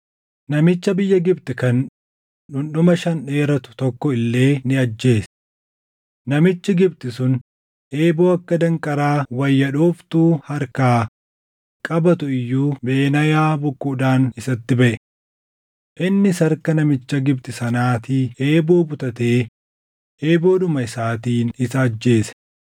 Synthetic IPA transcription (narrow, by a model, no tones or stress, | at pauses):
nɐmɪt͡ʃːɐbɪjːɐɡɪbt̪ɪkɐn | ᶑʊnɗʊmɐʃɐnᶑe̞ːɾɐt̪ʊ̥t̪ɔkːɔɪlːe̞ːnɪɐd͡ʒːe̞ːs | nɐmɪt͡ʃːɪɡɪbt̪ɪsʊn | ʔe̞ːboːɐkːɐd̪ɐŋkʼɐɾaːwɐjːɐᶑoːft̪uːhɐɾkaː | kʼɐbɐt̪ʊɪjːuːbe̞ːnɐjaːbʊkːʊd̪aːnɪsɐt̪ːɪbɐʔɛ | ʔɪnːɪsɐɾkɐnɐmɪt͡ʃːɐɡɪb̚t̪ɪsɐnaːt̪iʔeːboːbʊt̪ʼɐt̪e̞ː | ʔeːbo̞ːᶑʊmɐɪsaːt̪iːnɪsɐːd͡ʒːe̞ːsɛ̥